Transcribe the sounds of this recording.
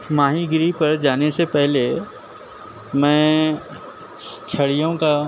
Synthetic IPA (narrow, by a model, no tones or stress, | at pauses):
maːɦiɡɾipɐɾd͡ʒaːnesepɛɦle | mɛ̃ː | t͡ʃʰɐɽijõka